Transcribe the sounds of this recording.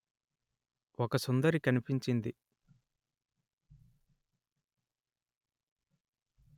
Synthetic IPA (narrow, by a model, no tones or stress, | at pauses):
ɔkɐsund̪ɐɾikɐnipiɲt͡ʃind̪i